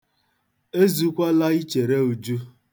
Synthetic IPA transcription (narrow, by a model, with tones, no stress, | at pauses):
e˦zu˦kʷa˦la˦i˦t͡ʃe˨ɾe˦u˨d͡ʒu˦